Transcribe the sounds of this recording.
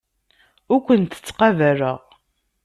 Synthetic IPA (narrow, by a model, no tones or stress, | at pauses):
ʊɾkʷənt̪ə̥t͡sːqɑvæɾə̰ʁ